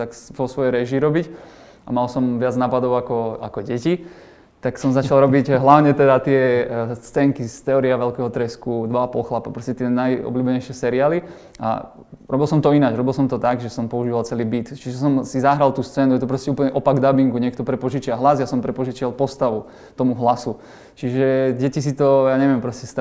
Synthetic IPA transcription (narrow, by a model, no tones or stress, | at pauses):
t̪akʋɔsʋɔjɛɾɛʒiɾɔbic | a̰malsɔmʋɪad͡znaːpad̪ɔʊakɔa̰kɔɟɛci | t̪aksɔmzat͡ʃalˠɾɔbiɟɦlaʊɲɛt̪ɛd̪at̪ɪɛt͡sɛŋkist̪ɛɔɾiaʋɛlkɛɦɔt̪ɾɛskud̪ʋaapɔlxlapapɾɔscɛt̪ɪɛnajɔ̰bluːbɛɲɛjʃɪɛsɛɾiaːli | a̰ | ɾɔbilˠsɔmt̪ɔinad͡ʒɾɔbilˠsɔmt̪ɔt̪aɡʒɛsɔmpɔuʒiːʋalt͡sɛliːbit̪t͡ʃiʒɛsɔmsizaɦɾalt̪uːst͡sɛːnujɛt̪ɔpɾɔscɛuːplɲɛʔɔpaɡd̪abiŋkuɲɪɛkt̪ɔpɾɛpɔʒit͡ʃɪaɦlazjasɔmpɾɛpɔʒit͡ʃɪalpɔst̪aʋu | t̪ɔmuɦlasu | t͡ʃiʒɛɟɛcis̬it̪ɔjaːɲɛʋɪɛmpɾɔscɛst̪